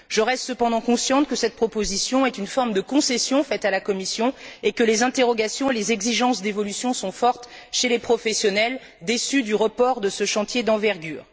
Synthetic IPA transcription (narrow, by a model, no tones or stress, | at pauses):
ʒəʁɛst̪səpɑ̃d̪ɑ̃kɔ̃sjɑ̃t̪kəsɛt̪̚pχɔpozisjɔ̃ɛt̪ynfɔʁmd̪əkɔ̃sɛsjɔ̃fɛt̪alakɔmisjɔ̃ekəlezɛ̃t̪eʁɔɡʲasjɔ̃elezɛɡziʒɑ̃sd̪evɔlysjɔ̃sɔ̃fɔʁt̪ʃelepχɔfɛsjɔnɛl | d̪esyd̪yʁəpɔʁd̪əsəʃɑ̃t̪jed̪ɑ̃vɛʁɡʲyːʁ